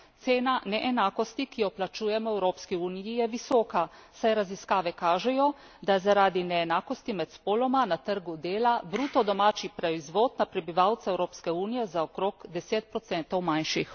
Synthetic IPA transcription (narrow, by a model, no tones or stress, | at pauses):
t̪seːnanɛʔɛnaːkɔst̪ikijɔplat͡ʃuːjɛmɔɛwɾoːpskiuːnijijɛʋisɔːkasajɾaziskaːʋɛkaːʒɛjɔ | d̪azaɾaːd̪inɛːnaːkɔst̪imɛt̪spoːlɔmanat̪əɾɡud̪eːlabɾuːt̪ɔd̪ɔmaːt͡ʃipɾaizʋoːd̪napɾɛbiʋawt̪saɛwɾoːpskɛuːnijɛzaɔkɾoːkd̪ɛseːt̪̚pɾɔt̪sɛnt̪ɔwmajnʃix